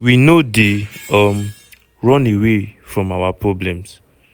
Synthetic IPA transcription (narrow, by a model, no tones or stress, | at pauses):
winodeɔm | ɹɔ̃newefɹɔ̃mawapɹɔblɛ̃ms